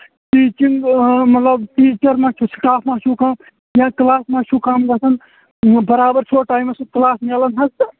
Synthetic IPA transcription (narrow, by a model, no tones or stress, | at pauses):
ʈiːt͡ʃiŋɡmɐt̪lɐbʈiːt͡ʃɐɾmãːt͡ʃʰusʈaːpʰmãːʃʰukam | jãːklaːsmãːʃʰukaːmɡɐsʰɐn | bɐɾaːbɐɾt͡ʃʰoʈaːjmɐsuklaːsmeːlɐnɦɐs